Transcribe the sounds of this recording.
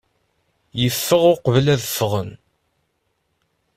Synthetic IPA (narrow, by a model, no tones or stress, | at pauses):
jəfːəʁʊɾqəvlæðəfːəʁən